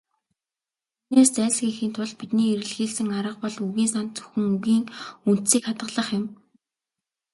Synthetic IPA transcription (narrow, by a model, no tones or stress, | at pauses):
neːst͡sæːɮxixiːnt̪ʰʊɮpit̪niːiɾɘ̆ɮxiːɮsɘ̆ŋaɾə̆q̚pɔɮuɣiːnsant̪t͡sɵ̥xɘ̆ŋuɣiːŋun̥t̪siːkχat̪ɢə̆ɮə̆χjʊ̆m